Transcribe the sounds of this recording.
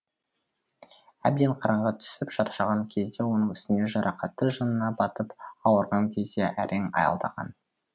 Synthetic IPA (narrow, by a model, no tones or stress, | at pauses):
æ̰b̚d̪e̞ɴqʰɑɾɑɴʁɑt̪ʰʏ̥sɪpʒɑt̪ɑ̥ʃɑʁɑŋkʲʰe̞zd̪e̞wo̞nəŋʏst̪ɪne̞ʒɑɾʔɑqɑt̪ːəʒənənɑbɑt̪əpɑwəɾʁɑŋkʲʰe̞zd̪e̞ʔæɾʔe̞ŋɑ̰jɑ̰lˠd̪ɑ̰ʁɑ̰n